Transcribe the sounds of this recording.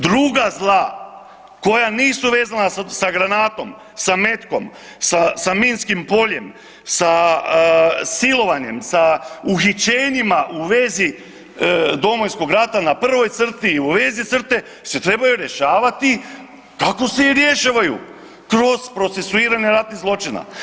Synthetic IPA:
d̪ɾuɡazlˠa | ko̞janiːsuʋe̞ːzanasaɡɾanaːt̪o̞m | same̞t̪ko̞̰m | sasamiːnskimpo̞ʎe̞m | sa | silo̞ʋaɲe̞msauxit͡ɕe̞ːɲimaʔuʋezi | d̪o̞mo̞jsko̞ɡɾat̪anapr̩ʋo̞jt̪sr̩t̪iːuʋe̞zit̪sr̩t̪e̞ | se̞t̪ɾe̞bajuɾje̞ʃaːʋat̪i | kako̞se̞iɾje̞ʃaːʋajṵ | kɾo̞z̥pɾo̞t̪se̞suiːɾaɲe̞ɾat̪nizlˠo̞t͡ʃina̰

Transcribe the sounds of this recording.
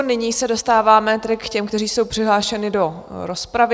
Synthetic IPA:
nɪɲiːsɛdo̞st̪aːvaːmɛt̪ɾɪkːcɛmkt̪ɛriːso̞wpr̥ɪɦlaːʃɛnɪdo̞ɾospɾavɪ

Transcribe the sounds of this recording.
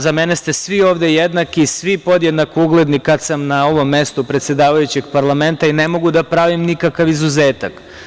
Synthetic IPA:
zameːnest̪e̞sʋio̞ːʋd̪ejed̪nakiːsʋipo̞d̪jed̪nakouɡle̞d̪nikad̪samnao̞ʋo̞mːe̞st̪opɾe̞t̪sje̞d̪aːʋajut͡ɕe̞ɡpaɾlˠame̞nt̪aine̞mo̞ɡud̪apɾaʋimnikakaʋizuzeːt̪ak

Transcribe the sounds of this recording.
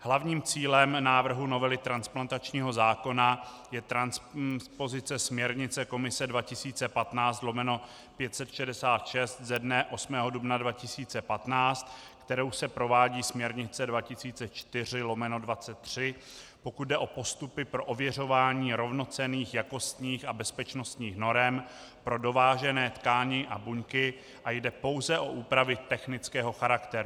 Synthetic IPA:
hlavɲiːmt͡siːlɛmnaːvr̩ɦuno̞vɛlɪt̪ɾansplant̪at͡ʃɲiːɦo̞zaːko̞na | jɛt̪ɾanspo̞zɪt͡sɛsmɲɛɾɲɪt͡sɛko̞mɪsɛdvacɪsiːt͡sɛpat̪naːt͡st̪lo̞mɛno̞ | pjɛt̪sɛt̪ʃɛdɛsaːt̪ʃɛst̪zɛdnɛʔo̞smɛːɦo̞dubnadvacɪsiːt͡sɛpat̪naːt͡st̪kt̪ɛɾo̞wsɛpɾo̞vaːɟiːsmɲɛɾɲɪt͡sɛdvacɪsiːt͡sɛt͡ʃt̪ɪr̝ɪlo̞mɛno̞dvat͡sɛt̪ːr̝̥ɪ | po̞kud̪̚dɛʔo̞po̞st̪upɪpɾo̞ʔovjɛr̝o̞vaːɲiːɾo̞vno̞t͡sɛniːxjako̞st̪ɲiːxabɛspɛt͡ʃno̞st̪ɲiːxno̞ɾɛm | pɾo̞do̞vaːʒɛnɛːt̪kaːɲɪʔabuɲkɪ | ʔajdɛpo̞wzɛʔo̞ʔuːpɾavɪt̪ɛxnɪt͡skɛːɦo̞xaɾakt̪ɛɾu

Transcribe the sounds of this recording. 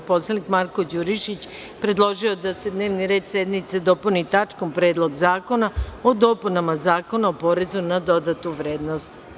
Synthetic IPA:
po̞slˠanikmaɾko̞d͡ʑuɾiʃit͡ɕ | pɾe̞d̪lˠo̞ʒiod̪ase̞d̪ne̞ːʋniɾe̞ːd̪sed̪mit̪sed̪o̞punit̪at͡ʂko̞mpɾe̞ːd̪lˠo̞ɡzaːko̞naod̪o̞punamazaːko̞naopo̞ɾe̞zunad̪o̞d̪at̪uʋɾe̞ːd̪nost̪

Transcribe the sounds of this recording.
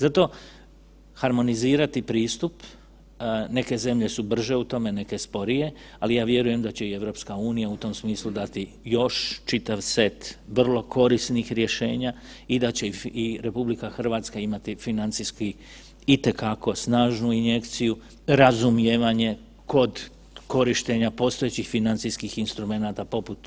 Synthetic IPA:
zat̪o̞ | haɾmo̞niziːɾat̪ipɾiːst̪up | ne̞ke̞ze̞mʎe̞subr̩ʒe̞ut̪o̞me̞ne̞ke̞spo̞ɾije̞ | alijaːʋje̞ɾuje̞md̪at͡ɕe̞ie̞ʋɾo̞ːpskauːnijaut̪o̞msmiːslˠud̪at̪i | jo̞ʃt͡ʃit̪aʋse̞t̪ʋr̩lˠo̞kʰo̞ɾisnixɾje̞ʃe̞̰ːɲa | id̪at͡ɕe̞iɾe̞publikaxr̩ʋaːt̪skaimat̪ifinant̪siski | it̪e̞kako̞snaːʒnuinje̞kt̪siju | ɾazumjeːʋaɲe̞ | ko̞d̪ | ko̞ɾiʃt̪e̞ɲapo̞ːst̪o̞jet͡ɕixfinant̪siskixinst̪ɾume̞naːt̪apo̞put̪

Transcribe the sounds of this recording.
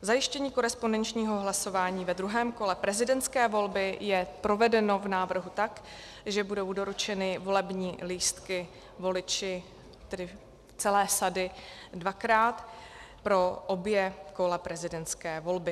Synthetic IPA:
zajɪʃcɛɲiːko̞ɾɛspondɛnt͡ʃɲiːɦo̞ɦlaso̞vaːɲiːvɛd̪ɾuɦɛːmko̞lɛpɾɛzɪdɛnt̪skɛːvo̞lbɪjɛpɾo̞vɛdɛno̞vnaːvr̩ɦut̪ak | ʒɛbudo̞wdo̞ɾut͡ʃɛnɪvo̞lɛbɲiːliːst̪kɪ | vo̞lɪt͡ʃɪ | t̪ɛdɪ | t͡sɛlɛːsadɪdvakɾaːt̪ | pɾo̞ʔobjɛko̞lɛpɾɛzɪdɛnt͡skɛːvo̞lbɪ

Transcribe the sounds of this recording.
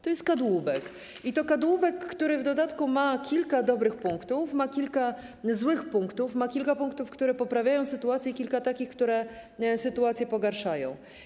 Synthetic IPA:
t̪ɔjɛst̪̚kad̪wubɛk | it̪ɔkad̪wubɛkːt̪uɾɘvd̪ɔd̪at̪kumakʲilkad̪ɔbɾɘxpuŋkt̪ufmakʲilka | zwɘxpuŋkt̪ufmakʲilkapuŋk̚t̪ufkt̪uɾɛpɔpɾavʲjajɔ̃w̃sɘt̪uat̪sʲjɛkʲilkat̪akʲixkt̪uɾɛsɘt̪uat̪sʲjɛpɔɡaɾʂajɔ̰̃w̃

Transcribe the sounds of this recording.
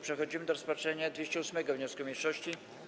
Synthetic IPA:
pʂɛxɔd͡ʑimɘd̪ɔɾɔspatʂɛɲad̪vʲeɕt͡ɕɛusmɛɡɔvɲɔskumʲejʂɔɕt͡ɕi

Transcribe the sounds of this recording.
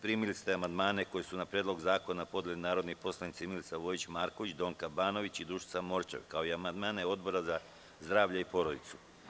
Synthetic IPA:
pɾimilist̪e̞amand̪maːne̞ko̞jesunapɾjed̪lˠo̞ɡzaːko̞napo̞d̪jelinaːɾo̞d̪nipo̞slˠanit̪similt̪saʋo̞jit͡ɕmaːɾko̞ʋit͡ɕd̪o̞ːŋkabaːno̞ʋit͡ɕid̪ɾuːʃi̥samo̞ɾt͡ʃḛʋkao̞iamand̪maːne̞o̞d̪bo̞ɾaza | zd̪ɾaːʋʎeipo̞ɾod̪it̪su̥

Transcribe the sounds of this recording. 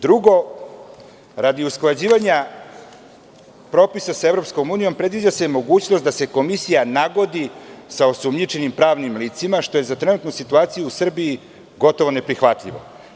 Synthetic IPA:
d̪ɾuɡo̞ | ɾad̪iusklˠad͡ʑiːʋaɲa | pɾo̞ːpisasaevɾo̞psko̞muːnijo̞mpɾe̞d̪ʋid͡ʑasejmo̞ɡuːt͡ɕnost̪d̪ase̞ko̞misijanaɡo̞d̪isaosumɲit͡ʃe̞nimpɾaːʋnimliːt̪simaʃt̪o̞je̞zat̪ɾenut̪nusit̪uaːt̪sijuusr̩bii | ɡo̞t̪o̞ʋo̞ne̞pɾixʋat̪ʎʲḭʋo̞̰

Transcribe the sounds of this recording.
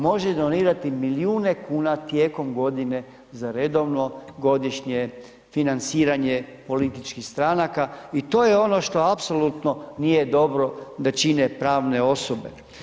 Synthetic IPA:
mo̞ʒed̪o̞niːɾat̪imiliuːne̞kuːnat̪je̞ːko̞mɡo̞d̪ine̞ | zaɾe̞d̪o̞ʋno̞ɡo̞d̪iʃɲe | finant̪siːɾaɲepo̞lit̪it͡ʃkixst̪ɾanakait̪o̞ːjeo̞no̞ʃt̪o̞apsolut̪no̞nijed̪o̞bɾo̞d̪at͡ʃine̞pɾaːʋne̞o̞sobe̞̰

